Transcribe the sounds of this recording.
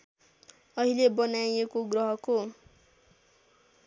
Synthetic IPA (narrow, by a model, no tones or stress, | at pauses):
ʌɦilebʌnajekoɡrʌɦʌko